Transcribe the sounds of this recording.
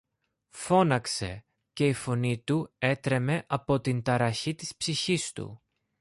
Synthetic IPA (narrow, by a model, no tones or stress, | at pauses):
fo̞nɐkse̞̰ | ce̞ifo̞nit̪ue̞t̪ɾe̞me̞ʔɐpo̞t̪int̪ɐɾɐçit̪ispsiçist̪ṵ